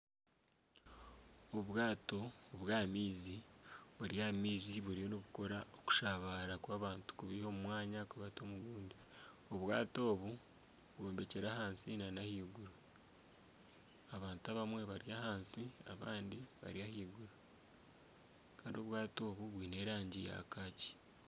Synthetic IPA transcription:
oβwaːto̞ːβwaːmiːziβuɾijaːmiːziβuɾionoβuko̞ɾaoku̥ʃaβaɾakwaːβaːntu̥kuβiho̞mumwaːɲakuβatomuɡuːndi | o̞βwa̰ːto̞ːβu | βwoːmbe̞ceɾaɦaːnsinanahiːɡuɾu | aβaːntuaβamwe̞βaɾiahaːnsiaβa̰ːndiβa̰ɾiahiːɡuɾa | kaːndio̞βwaːto̞ːβuβwiːne̞ːɾaːɲɟija̰kaːci̥

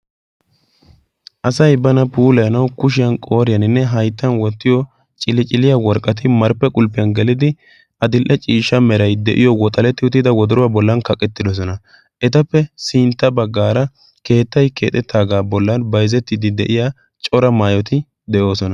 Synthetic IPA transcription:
ʔɐsɐjbɐnɐpuːlɐjɐnɐwkʊʃ̬ɪjɐnkʼo̞ːɾɪjɐnɪnːɛɦɐjt̪ːɐnwɔt̪ːɪjɔ | t͡ʃʼɪlɪt͡ʃʼɪlɪjawɔɾkʼːɐt̪̬ɪmɐɾpːɛkʼʊlpːɪjɐnɡɛlɪd̪ɪ | ʔɐd̪ɪlʔɛt͡ʃʼiːʃːɐmɛɾɐjd̪ɛ̰ʔɪjɔwɔt̪ʼɐlɛt̪ːɪʊt̪ːɪd̪ɐwɔd̪ɔɾʊwabɔlːɐnkɐkʼːɛt̪ːɪd̪ɔs̬ɔnɐ | ʔɛt̪ɐpːɛsɪːnt̪ːɐbɐɡːaːɾɐ | ke̞ːt̪ːɐjke̞ːt̪ʼɛt̪ːaːɡaːbɔlːɐnbɐjzɛt̪ːɪd̪ɪd̪ɛ̰ʔɪja | t͡ʃʼɔɾɐmaːjɔt̪ɪ | d̪ɛʔo̞ːsɔnɐ

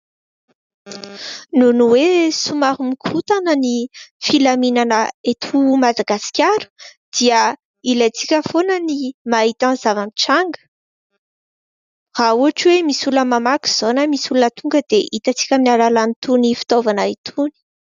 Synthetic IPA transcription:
nunuwesumaɾumikʰut̪anənifilaminanəet̪ʰumad̪aɡasi̥kʲaɾu̥d̪̥iə | ilat͡sikʲəfonənimaɦit̪anz̥avaniʈ͡ʂaŋɡə̥ | rauaʈ͡ʂwemisuləmamaku̥z̥onəmisulunət̪uŋɡəd̪̥eʔit̪at͡si̥kʲəmnalalanit̪unifi̥t̪ovanait̪ʰuni̥

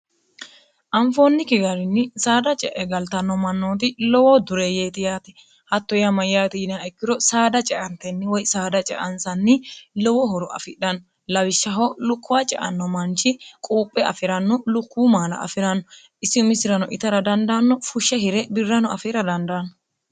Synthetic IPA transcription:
ʔɐɱfoːnːɪkɪɡɐɾɪnːɪsaːd̪ɐt͡ʃʼɛʔɛɡɐlt̪ɐnːɔmɐnːoːt̪̬ɪlɔwɔd̪ʊɾeːjeːt̪ɪjaːt̪ɛ̥ | hɐt̪ːɔjɐmɐjaːt̪ɪɪnaɛkːɪɾɔsaːd̪ɐt͡ʃʼɛʔɐnt̪ɛnːɪwɔjsaːd̪ɐt͡ʃʼɛ̰ʔɐnsɐnːɪlɔwɔɦɔɾɔʔɐ̰fɪɗɐnːɔ | lɐwɪʃːɐɦɔlʊkʰːʊwat͡ʃʼɛ̰ʔɐ̰nːɔmɐnt͡ʃɪkʼuːpʼːɛʔɐ̰fɪɾɐnːɔlʊkːuːmaːlɐ̰ɐ̰fɪɾɐnːɔ | ʔɪsːɪʊmɪsɪɾɐnɔʔɪt̪ɐɾɐd̪ɐnd̪ɐnːɔfʊʃːɛhɪɾɛbɪrːɐnɔʔɐfɪɾɐd̪ɐnd̪anɔ

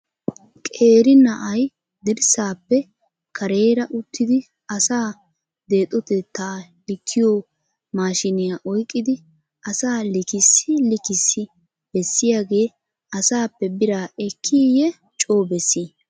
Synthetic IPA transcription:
kʼeːɾɪnɐʔɐj | d̪ɪɾsaːpːɛ | kʰɐɾe̞ːɾɐʔʊt̪ːɪd̪ɪ | ɐsaː | d̪eːt̪ʼɔt̪ɛt̪ːaːlɪkʰːɪjo | maːʃɪnɪjaʔɔjkʼːɪd̪ɪ | ʔɐsaːlɪkɪsːɪlɪkɪsːɪ | bɛsːɪjaːɡe̞ː | ɐsaːpːɛbɪɾaːʔɛkʰːijɛ | t͡ʃʼo̞ːbɛsːiː

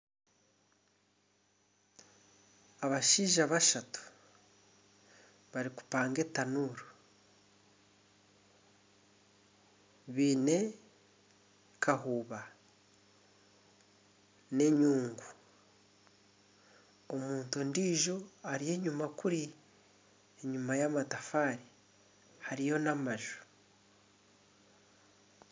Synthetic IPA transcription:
aβaʃiːʒaβaʃatu̥ | βaɾiku̥paːŋɡe̞tanuɾo | βiːne̞ | kʰaɦuːβa | ne̞ɲuːŋɡu | omuːntundiːʒo̞aɾije̞ɲumakuɾi | eɲumajamatafaːɾi | haɾijo̞namaʒu̥

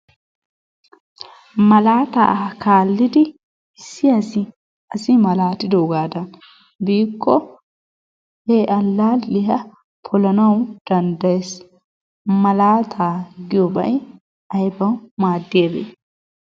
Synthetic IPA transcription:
mɐlaːt̪a̰ːkaːlːɪd̪ɪ | ɪsːɪɐsɪ | ɐsɪmɐlaːt̪ɪd̪oːɡaːd̪ɐn | biːkːɔ | heʔɐlːaːlːɪɦɐ | pʰɔlɐnɐwd̪̥ɐnd̪ɐjes | mɐlaːt̪ʰaːɡɪjɔbɐ̰j | ɐjbɐwmaːd̪ːɪjɐbḛː

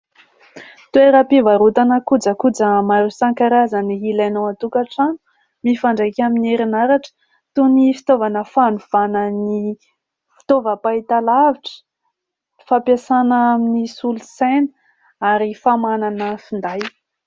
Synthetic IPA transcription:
t̪ueɾapivaɾut̪anəkud͡zəkud͡zəmaɾusaŋkaɾazəniɦilanowat̪ukaʈ͡ʂanu̥ | mifaɳɖ͡ʐejkʲamineɾinaɾaʈ͡ʂə̥ | t̪unifi̥t̪ovanəfanuv̥anəni | fi̥t̪ovəpait̪alaviʈ͡ʂə̥ | fapjasanəaminisulusenə | aɾifamananəfind̪aj

